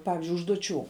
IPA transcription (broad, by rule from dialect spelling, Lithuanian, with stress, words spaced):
ˈpɑːʋʲɪzʲd͡ʒʲʊɪ ʊʒduɔˈt͡ʃʲuː